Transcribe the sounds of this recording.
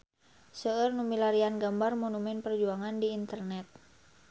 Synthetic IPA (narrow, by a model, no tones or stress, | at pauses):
səərnumilaɾianɡambarmonumɛnpərd͡ʒuaŋandiːnt̪ərnɛt̪̚